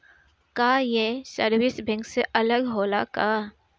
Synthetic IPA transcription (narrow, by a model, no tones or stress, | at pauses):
kaːjesəɾwɪsbʱɛ̃ŋkseʔɐləɡɦoːlakaː